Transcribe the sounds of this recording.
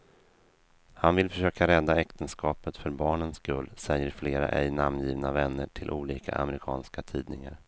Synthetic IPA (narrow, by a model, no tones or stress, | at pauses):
hanvɪlfœʂøːkaɾɛd̪ːaɛkt̪ənskɑːpət̪fœɾbɑːɳənskɵlːsɛjːəɾfleːɾa̰ʔɛjnamnjiːvnavɛnːəʈʰɪlʔuːliːkʰa̰ʔa̰mɛɾɪkʰɑ̰ːnskat̪ʰiːd̪nɪŋa̰ɾ